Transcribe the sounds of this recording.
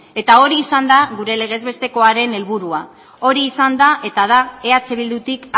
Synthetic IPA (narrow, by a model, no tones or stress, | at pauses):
e̞t̪ao̞ɾiːsand̪aɣuɾe̞le̞ɣ̞e̞zβe̞st̪e̞ko̞aɾe̞ne̞lβuɾua | o̞ɾiːsand̪aʔe̞t̪aðae̞at͡seβild̪ut̪ik